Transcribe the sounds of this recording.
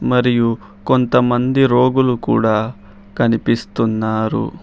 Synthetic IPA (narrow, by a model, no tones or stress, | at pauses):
mɐɾiju | kont̪ɐmɐnd̪iɾo̞ːɡulukṵːɽaː | kɐnipist̪unːaːɾṵ